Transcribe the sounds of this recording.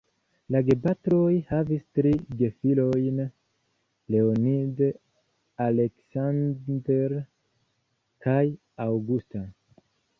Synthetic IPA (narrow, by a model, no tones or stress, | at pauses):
laɡebatɾo̞jhavistɾiɡe̞filo̞jn | le̞onid | aleksandeɾ | kaj | awɡusta